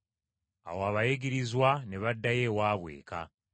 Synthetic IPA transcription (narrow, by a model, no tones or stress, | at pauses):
a̰woaβajeɡiɾizwane̞βadːaje̞ːwaːβwe̞̰ːka̰